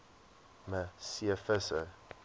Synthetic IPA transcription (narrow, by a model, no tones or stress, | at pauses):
məsiəfəsə